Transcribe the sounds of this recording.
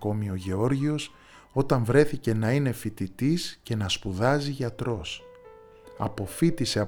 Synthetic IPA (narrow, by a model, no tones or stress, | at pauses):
ko̞mio̞ʝe̞o̞ɾʝio̞s | o̞t̪ɐɱvɾe̞θice̞nɐine̞fit̪it̪isce̞nɐspuðɐziʝɐt̪ɾo̞s | ɐ̰po̞fit̪ise̞ɐ